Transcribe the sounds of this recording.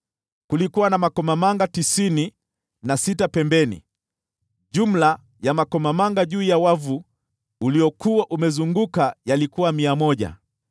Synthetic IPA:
kulikuwanamakɔmamaŋɡatisini | nasitapɛmbɛnḭ | ʄum̩la | jamakɔmamaŋɡaʄuːjawavu | ulijɔkuwaʔumɛzuŋɡukajalikuwamiamɔʄa̰

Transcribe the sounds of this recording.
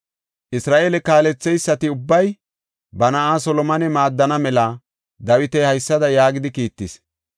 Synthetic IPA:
ʔɪsɾaːʔeːlɛkaːlɛt͡sːɛjsːɐt̪ɪʊbːɐj | bɐnɐʔaːsɔlɔmɐnɛmaːd̪ːɐnɐmɛlɐ | d̪ɐwɪt̪ɛhɐjsːɐd̪ɐjaːɡɪd̪ɪkiːt̪ːɪs

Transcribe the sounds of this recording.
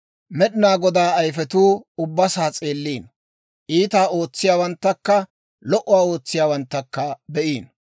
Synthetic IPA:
mɛɗɪnaːɡɔd̪aːɐjfɛt̪uːʊbːɐsaːt͡sʼe̞ːlːiːn | ʔiːt̪aːo̞ːt͡sːɪjaːwɐnt̪ːɐkːɐ | lɔʔʊwaːo̞ːt͡sːɪjaːwɐnt̪ːɐkːɐbɛʔiːn

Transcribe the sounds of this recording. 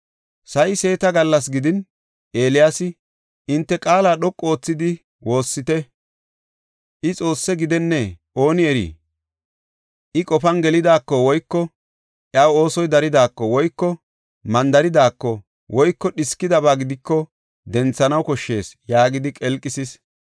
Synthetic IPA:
sɐjɪse̞ːt̪ɐɡɐlːɐs̬ɡɪd̪ɪn | ʔe̞ːlɪjasɪ | ʔɪnt̪ːɛkʼaːlaːɗɔkʼːo̞ːt͡sːɪd̪ɪ | wo̞ːsːɪt̪ɛ | ʔɪt͡sʼo̞ːsːɛɡɪd̪ɛnːɛʔo̞ːnɪɛɾḭː | ʔɪkʼɔfɐnɡɛlɪd̪aːkːɔwɔjkːɔ | ʔjawo̞ːsɔjd̪ɐɾɪd̪aːkːɔwɔjkːɔ | mɐnd̪ɐɾɪd̪aːkːɔ | wɔjkːɔɗɪskːɪd̪ɐβaːɡɪd̪ɪkːɔ | d̪ɛnt͡sːɐnɐwkɔʃːe̞ːsjaːɡɪd̪ɪkʼɛlkʼːɪsɪs

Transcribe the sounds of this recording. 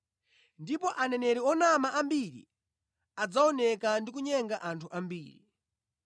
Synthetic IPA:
ndipɔʔanɛnɛɾɛɔnamaʔambiɾḭ | ad͡zaɔnɛkandik̬uɲɛŋɡaʔantʰuʔambiːɾḭ

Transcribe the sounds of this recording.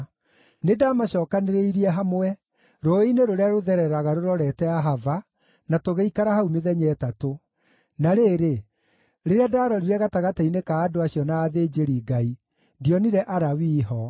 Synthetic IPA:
nedaːmaɕɔːkaneɾeiɾiɛɦamwɛ | ɾoineɾoɾeaɾoðɛɾɛɾaɣaɾoɾɔɾɛtɛaɦava | natoɣeikaɾahaumeðɛɲɛːtato | naɾeːɾe | ɾeɾeadaːɾɔɾiɾɛɣataɣatainekaːdoaɕiɔnaːðeːd͡ʑeɾiːɡai | ndiɔniɾɛʔaɾawiːɦɔ

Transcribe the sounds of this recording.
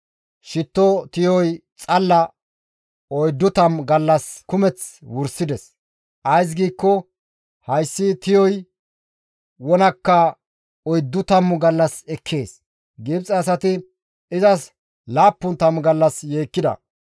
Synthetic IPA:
ʃɪt̪ːɔt̪ɪjɔjt͡sʼɐlːɐ | ɔjd̪ːʊt̪ɐmɡɐlːɐskʊmɛt͡swʊɾsɪd̪ɛs | ʔɐjs̬ɡiːkːɔ | hɐjsːɪt̪ɪjɔj | wɔnɐkːɐ | ɔjd̪ːʊt̪ɐmɡɐlːɐsɛkʰːe̞ːs | ɡɪbt͡sʼɐːs̬ɐt̪ɪ | ɪzɐs | laːpːʊnt̪ɐmɡɐlːɐsjeːkːɪd̪ɐ̰

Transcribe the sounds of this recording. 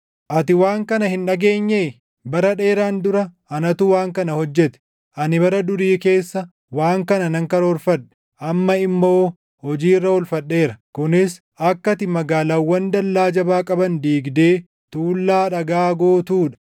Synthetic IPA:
ʔɐt̪ɪwaːŋkɐnɐhɪnᶑɐɡe̞ːɲːeː | bɐɾɐᶑe̞ːɾaːnd̪ʊɾɐ | ɐnɐt̪uwaːŋkɐnɐhɔd͡ʒːɛt̪ɛ̥ | ʔɐnɪbɐɾɐd̪ʊɾiːke̞ːsːɐ | waːŋkɐnɐnɐŋkɐɾoːɾfɐᶑɛ̥ | ʔɐmːɐɪmːo̞ː | hɔd͡ʒiːrːɐwɔlfɐɗːe̞ːɾɐkʊnɪs | ɐkːɐt̪ɪmɐɡaːlaːwːɐnd̪ɐlːaːd͡ʒɐbaːkʼɐbɐnd̪iːɡd̪e̞ː | t̪uːlːaːᶑɐɡaːɡoːt̪uːᶑɐ̥

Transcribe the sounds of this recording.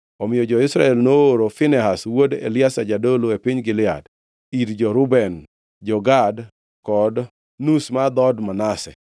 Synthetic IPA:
ɔmɪjɔd͡ʒɔɪsɾa̰ɛlnooɾofɪnɛɦaswodḛlɪasad͡ʒadoloepiɲɡɪlɪa̰d | iɾd͡ʒɔɾʊbɛn | d͡ʒɔɡad | kɔd | nusmad̪ɔdmanasɛ̰

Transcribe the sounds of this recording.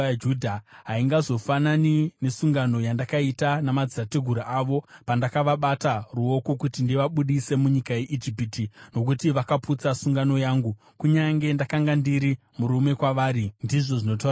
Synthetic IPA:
d͡ʒudʱaɦaiŋɡazo̞fananine̞suŋɡano̞jandakaitanamad͡zirateɡʱuɾaʔaʋo̞pandakaʋaɓataruo̞kokutindiʋaɓuɗise̞muɲikaje̞ʔid͡ʒipitino̞k̬utiʋakaput͡sasuŋɡano̞jaːŋɡu | kuɲaŋɡe̞ndakaŋɡandiɾi | muɾume̞kwaʋaːɾindiʐo̞ʐino̞to

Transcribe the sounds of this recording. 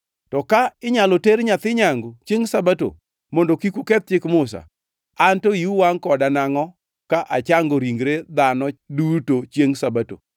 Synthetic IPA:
tɔkaɪɲaloteɾɲat̪ɪɲaŋɡot͡ʃeŋsabato̰ | mɔndokikukɛt̪̚t͡ʃɪkmʊs̬a̰ | antoiuwaŋkɔdanaŋɔ | kaʔat͡ʃaŋɡoɾiŋɡɾed̪anɔdutot͡ʃjeŋsabato̰

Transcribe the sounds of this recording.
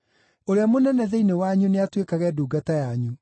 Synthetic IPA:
oɾeamonɛnɛðeinewaɲuneatwekaɣɛduːɡatajaɲu

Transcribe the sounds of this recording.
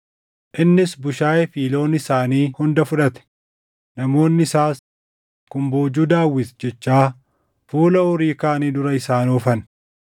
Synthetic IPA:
ʔɪnːɪsbʊʃaːjɛfiːlo̞ːnɪsaːniːhʊnd̪ɐfʊᶑɐt̪ɛ̥ | nɐmo̞ːnːɪɪsaːs | kʊmboːd͡ʒuːd̪aːwːɪsd͡ʒɛt͡ʃːaː | fuːlɐɔɾiːkaːniːd̪ʊɾɐɪsaːnɔːfɐn

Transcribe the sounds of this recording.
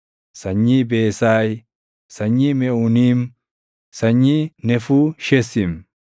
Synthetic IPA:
sɐɲːiːbeːsaːj | sɐɲːiːmɛʊniːm | sɐɲːinɛfuːʃɛsɪm

